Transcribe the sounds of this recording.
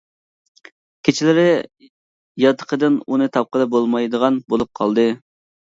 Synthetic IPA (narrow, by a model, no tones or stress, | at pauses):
kʲʰet͡ʃʰilɪɾɪ | jɑt̪ʰːə̥qʰəd̪ɨnunɨt̪ʰɑp̚qəd̪ɑbolˠmɑjd̪əʁɑnbolˠup̚qʰɑlˠd̪ɨ